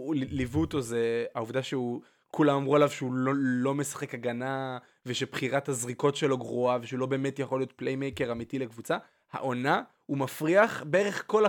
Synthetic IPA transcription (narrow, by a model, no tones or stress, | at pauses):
livutozeauvd̪aʃeu | kulamamʁualavʃeulolo̞me̞sḁχe̞kaɡana | veʃebχiʁathazʁiko̞tʃe̞lo̞ɡʁuaveʃeulo̞beːmetjaχo̞lijo̞t̪̚plejmejke̞ʁamitilekvut͡sa | ha̰ʔo̞na | umafʁiaχbee̞ʁe̞χko̞la